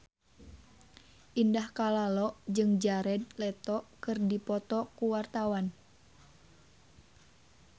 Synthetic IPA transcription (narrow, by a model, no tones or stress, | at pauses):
ʔindahkalalɔʔd͡ʒɨŋd͡ʒaɾɛd̪̚lɛt̪ɔʔkɨrdipɔt̪ɔkuwart̪awan